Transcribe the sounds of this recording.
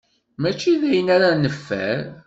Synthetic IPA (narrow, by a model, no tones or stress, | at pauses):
mæt͡ʃːiðæjənæɾanəfːæ̰ɾ